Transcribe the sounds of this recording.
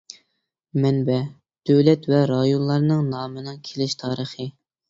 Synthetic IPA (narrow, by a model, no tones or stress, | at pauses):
mɛnbɛ | d̪̥øwlɛt̪vɛɾɑjonlˠɑɾnɨŋnɑːmɨnɨŋkʲʰelɪʃt̪ʰɑːɾəχə